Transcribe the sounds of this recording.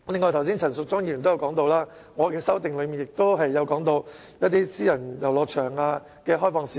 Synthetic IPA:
lɪ˨˧ŋːɔ˧t̪ʰɐ˨˩wsiː˥ŋt͡sʰɐ˨˩nsʊ˨k̚t͡sɔː˥ŋji˧˥˩y˨˩t̪o˥jwkɔː˨˥ŋt̪o˧wlaː˥ | ŋɔː˨˧kɛː˧sɐ˥wt̪ɪ˨ŋlɵ˨˧miː˨˩njɪ˨k̚t̪o˥wɦɐ˨jːɐ˨˧wkɔː˨˥ŋt̪o˧w | jɐ˥t̚t̪iː˥siː˥jɐ˨˩njɐ˨˩wlɔː˨˧k̚t͡ʃʰœː˨˩ŋaː˧ | kɛː˧ɦɔː˥jfɔː˨˧ŋsiː˨

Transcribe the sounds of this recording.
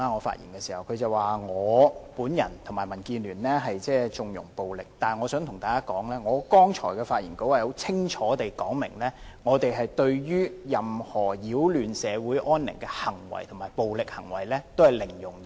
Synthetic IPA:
aː˧ŋɔː˨˧fa̰ː˧t̚jḭ˨˩nkɛː˧siː˨˩hɐ˨wkʰɵ˨˧ɥt͡sɐ˨˧waː˨ŋɔː˨˧puː˨˥njɐ˨˩nt̪ʰmaː˨˩jmɐ˨˩nkiː˧nlyː˨˩nlɛ˥ɦɐ˨jt͡sɛː˥˩t͡sʊ˨ŋjʊ̰˨˩ŋpo˨wlɪ˨k̚t̪aː˨nŋɔː˨˧sœː˨˥ŋt̪ʰʊ˨˩ŋt̪aː˨˩kaː˥kɔː˨˥ŋlɛː˥ŋɔː˨˧kɔː˥ŋt͡ʃʰɔ̰ː˨˩jkɛː˧faː˧t̚jiː˨˩nko˨˥waː˨˩ho˨˥wt͡sʰɪ˥ŋt͡ʃʰɔː˨˥t̪e˨jkɔː˨˥ŋmɪ˨˩ŋlɛː˥ŋɔː˨˧t̪e˨jɦɐ˨jt̪ɵ˧ɥjyː˥jɐ˨mhɔː˨˩jiː˨˥wlyː˨nsɛː˨˧wuː˨˥jʔɔː˥nlɪ̰˨˩ŋkɛː˧hɐ˨˩ŋwɐ̰˨˩jt̪ʰʊ˨˩maː˨˩jpo˨wlɪ˨k̚hɐ˨˩ŋwɐ̰˨˩jlɛː˥t̪o˥whɐ˨˩jlɪ˨˩ŋjʊ˨˩ŋ˨

